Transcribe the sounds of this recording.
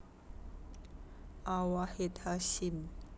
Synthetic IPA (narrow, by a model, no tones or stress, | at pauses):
awahet̪ʰaɕin